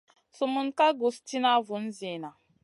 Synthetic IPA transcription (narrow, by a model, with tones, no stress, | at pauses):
su˨mu˨˦n̩˦ka˦ɡo˨sti˦na˦vu˨n̩˦zi˨na˨